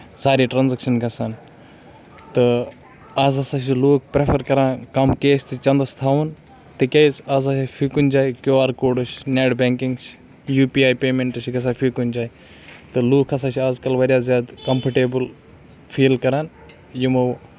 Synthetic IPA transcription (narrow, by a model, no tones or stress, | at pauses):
saːɾiːʈɾaːnzɐkʃɐnɡɐsaːn | t̪ɨ | aːzɐsaʃ̬iloːk̚ʰpɾepʰɐɾkɐɾaːnkɐmkeːst̪ʰit͡ʃɐnd̪ɐst̪ʰaːʋun | t̪ɨkʲɐjzaːzɐspʰikund͡ʒaːjkjoːaːɾkoːɖɨʃneːʈbeːŋkiŋɡt͡ʃʰ | juːpiːaːjpeːmeɳʈɐʃiɡɐs̬aːfʰikund͡ʒaːj | t̪ɨloːkʰɐsaːt͡ʃʰiaːzkɐlʋɐɾjaːzjaːd̪kɐmpʰɐʈeːbɨl | fʰiːlkɐɾaːn | jimɐw